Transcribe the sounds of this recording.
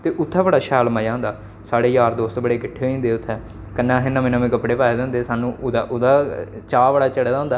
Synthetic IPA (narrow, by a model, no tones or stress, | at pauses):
t̪eːʔʊt̪ʰːɛːbəɽaːʃɛːlmaːjãːnd̪aː | saːɽeːjaːɾd̪oːst̪bəɽeːkɪʈʰːeːɦːĩːnd̪eːʊt̪ʰːɛː | kənːãːɦɪnːãːmɛ̃ːnãːmẽːkəpɽeːpaːeːd̪ãːnd̪eːsaːnũːʔʊd̪aːʔʊd̪aːt͡ʃaːʋəɽaːt͡ʃəɽeːd̪ãːnd̪aː